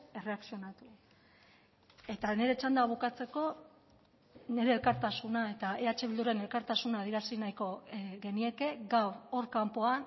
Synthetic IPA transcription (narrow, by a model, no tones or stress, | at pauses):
e̞re̞aksio̞nat̪u | e̞t̪ane̞ɾe̞t͡ʃand̪aβ̞ukat͡se̞ko̞ | ne̞ɾe̞ːlkaɾt̪asunae̞t̪ae̞at͡ʃe̞βild̪uɾe̞ne̞lkaɾt̪asunaːð̞ieɾasinajko̞ɣe̞nie̞ke̞ɡawoɾkampoan